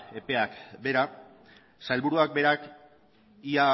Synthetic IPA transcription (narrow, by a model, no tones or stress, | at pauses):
e̞pe̞akbe̞ɾa | sajlβuɾuak̚be̞ɾak | ia